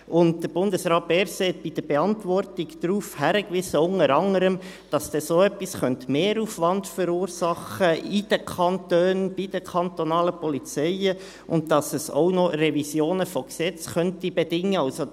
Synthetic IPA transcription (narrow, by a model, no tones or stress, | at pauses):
ʊnt̚d̥əɾb̥ʊndəsɾɑːt̚b̥ɛːɾseːt̚b̥id̥əb̥eɑntʋɔrtiɡd̥̪ɾuːfhæɾəkʋɪsəʊŋəɾɑŋəɾəm | d̥ɑsd̥ɛsoːɛpːisχœnt̪meːɾuːfʋɑndfəɾuːɾsɑχəid̥əkʰɑnt̪øːnb̥idəkʰɑntɔnɑːləpɔlit͡sɛɪə | ʔʊntdɑsəso̰nɔrɛvisjoːnəfɔksɛt͡sχœntibedɪŋːəɑlso